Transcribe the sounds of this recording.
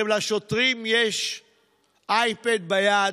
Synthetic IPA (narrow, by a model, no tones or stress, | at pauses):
emlaʃot̪ʁimjeʃ | ʔajped̪̚baja